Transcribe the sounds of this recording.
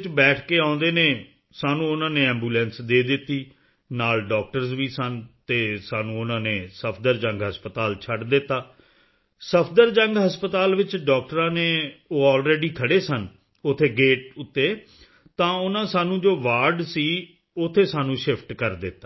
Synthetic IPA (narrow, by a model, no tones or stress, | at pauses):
t͡ʃbɛːʈʰkeːãːʊ̃nd̪eːneː | saːnũːʊnãːnẽːɛ̃ːmbuːlɛ̃ːnsd̪eːd̪ɪt̪ːiː | naːlɖɔːk̚ʈəɾzʋiːsənt̪eːsaːnũːʊnãːneːsəpʰd̪əɾd͡ʒə̃ŋɡɦəspət̪aːlt͡ʃʰəɖd̪ɪt̪ːaː | səpʰd̪əɾd͡ʒəŋɡɦəspət̪aːlʋɪt͡ʃɖɔːk̚ʈəɾãːneːoːɔːlɾeːɖiːkʰəɽeːsən | ʊt̪ʰːeːɡeːʈ̚ʊt̪ːeː | t̪ãːʊnãːsaːnũːd͡ʒoːʋaːɾɖsiː | ʊt̪ʰːeːsaːnũːʃɪpʰʈkəɾd̪ɪt̪ːaː